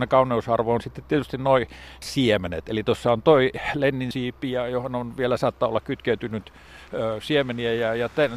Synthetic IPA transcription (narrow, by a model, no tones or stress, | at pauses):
nekɑunˑeusɑrʋoonsit̪ːet̪t̪iet̪yst̪innoisiemenḛt̪elit̪osːɑont̪oilenːinsiːpːijɑjohononʋielæsɑːt̪ːɑolːɑkkyt̪keyt̪ynyt̪ | øsiemeniæjɑjɑt̪æn